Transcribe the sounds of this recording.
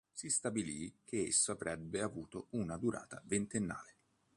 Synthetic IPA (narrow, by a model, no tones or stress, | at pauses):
sist̪abilik̟eḛsːoavɾɛbːeavuːt̪ounad̪uɾa̰ːt̪avent̪enːa̰ːle